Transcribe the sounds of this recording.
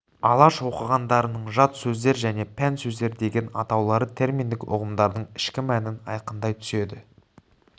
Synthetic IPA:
ɑlˠɑʃwo̞qəʁɑnd̪ɑɾənəɴʒɑt̪sɵzd̪e̞ɾʒæne̞pʰænsɵzd̪e̞ɾd̪e̞ɡʲe̞nɑ̰t̪ɑwlˠɑɾət̪ʰe̞ɾmind̪ɪkʊ̰ʁəmd̪ɑɾd̪əɴɪʃkʲɪmænɪnɑjqənd̪ɑjt̪ʰʏ̥se̞d̪ɪ

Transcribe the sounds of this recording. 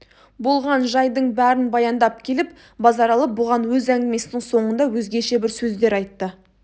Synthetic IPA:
bo̞lˠʁɑnʒɑjd̪əɴbæɾɪnbɑjɑnd̪ɑp̚kʲʰe̞lɪp | bɑzɑɾɑlˠəbʊʁɑnwɵzæŋɡʲɪme̞sɪnɪŋso̞ɴənd̪ɑwɵzɡʲeʃe̞bɪɾsɵzd̪e̞ɾɑjt̪ːə

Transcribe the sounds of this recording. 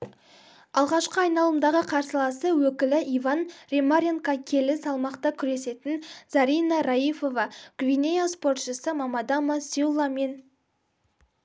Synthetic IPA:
ɑlˠʁɑʃqəɑjnɑlˠəmd̪ɑʁəqʰɑɾsəlˠɑsəwɵkʲɪlɪʔijvɑnrʲemaɾʲeŋkɑkʲʰe̞lɪsɑlˠmɑqt̪ɑkʲʰʏɾe̞se̞t̪ɪnz̥ɑɾijnɑɾajifo̞vɑkvʲinʲejaspo̞rt̪ʃəsəmɑmɑd̪ɑmasiulˠɑme̞n

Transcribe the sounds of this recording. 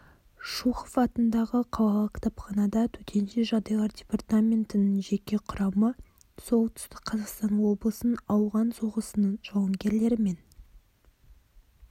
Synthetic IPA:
ʃuχofɑt̪ənd̪ɑʁəqʰɑwɑlˠəkʰt̪ʰɑpχɑnɑd̪ɑt̪ʰɵk̪ʲʰe̞nʃeʒɑd̪ɑjlˠɑɾdʲe̞part̪amʲe̞nt̪ɪnɪŋʒe̞kʲe̞qʰʊɾɑmə | so̞lˠt̪ʰʏ̥st̪ɪqqʰːɑzɑqst̪ɑnwo̞blˠəsənɑwʁɑnso̞ʁəsənəɴʒ̥ɑwɑŋɡʲe̞ɾle̞ɾɪme̞n

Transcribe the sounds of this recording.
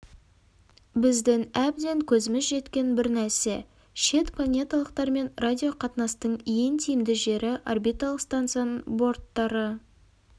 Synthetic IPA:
bɪzd̪ɪŋæb̚d̪e̞ŋkʲʰɵzɪmɪzʒe̞t̪kʲe̞nbɪɾnæɾse̞ | ʃe̞t̪plˠanʲe̞t̪ɑlˠəq̚t̪ɑɾme̞nradʲijo̞qʰɑt̪nɑst̪əɴje̞nt̪ʰijɪmd̪ɪʒe̞ɾɪʔo̰rbijt̪ːalˠəqst̪ant̪sijanəɴbo̞ɾt̪ːɑɾə

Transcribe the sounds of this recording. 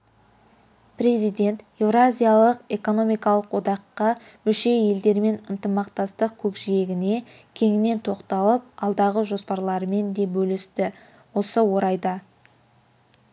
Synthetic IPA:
pɾe̞zijd̪e̞nt̪ | e̞vrazʲijalˠəqe̞ko̞no̞mijkɑlˠəqwo̞d̪ɑqːɑ | mʏlʃe̞je̞ld̪e̞ɾme̞nənt̪əmɑqt̪ɑst̪əq̚kʲʰɵkʒije̞ɡʲɪne̞ | kʲʰe̞ŋɪne̞nt̪ʰo̞qt̪ɑlˠəp̚ɑlˠd̪ɑʁəʒo̞spɑɾlˠɑɾəme̞nd̪e̞bɵlɪst̪ɪ | wo̞səwo̞ɾɑjd̪ɑ

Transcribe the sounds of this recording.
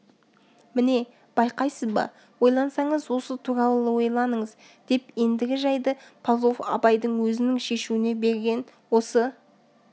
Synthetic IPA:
mɪne̞ | b̥ɑjqɑjsəzbɑ̰ | wo̞jlˠɑnsɑɴəzwo̞sət̪ʰuɾɑlˠəəwo̞jlˠɑnəɴəz | d̪̥e̞pe̞nd̪ɪɡʲɪʒɑjd̪əpʰalˠofɑ̰pɑjd̪əɴwɵzɪnɪŋʃe̞ʃuɪne̞be̞ɾɡʲe̞nwo̞sə

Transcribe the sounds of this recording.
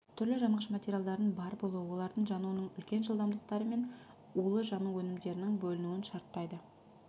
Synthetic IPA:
t̪ʰʏɾlɪʒɑɴʁəʃmat̪ʲeɾʲjald̪ɑɾənbɑɾbo̞lˠuwəwo̞lˠɑɾd̪əɴʒɑnuənəɴʏlkʲe̞nʒəlˠd̪ɑmd̪əq̚t̪ɑɾəme̞n | ulˠəʒɑnuwɵnɪmd̪e̞ɾɪnɪŋbɵlɪnuɪnʃɑɾt̪ːɑjd̪ə

